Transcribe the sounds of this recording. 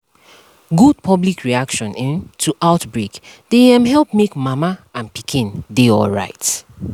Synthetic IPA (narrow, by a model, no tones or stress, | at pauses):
ɡud̚pʰɔblikʰɹiakʃɔ̃nĩntʰuʔaʊtbɹekd̥eɛ̃mɦɛlˠp̚mekmamaãnpikʰĩndeɔ̰lɹa̰ɪt